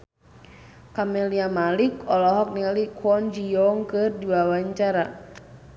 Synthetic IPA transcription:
kamɛliamalikɔlɔɦɔk̚nilikʰwɔnd͡ʒiɔŋkɨrdiwawaɲt͡ʃaɾa

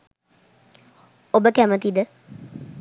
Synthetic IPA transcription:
obəkæmət̪id̪ə

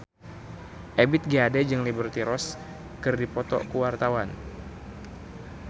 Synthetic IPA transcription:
ʔebɪt̪̚ɡiadɛd͡ʒɨŋlibərt̪iɾɔs | kɨrdipɔt̪ɔ̰kuwart̪awan

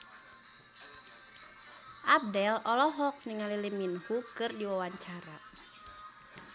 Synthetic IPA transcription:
ʔab̚dɛlɔlɔɦɔk̚niŋaliliminhukɨrdiwawaɲt͡ʃaɾa

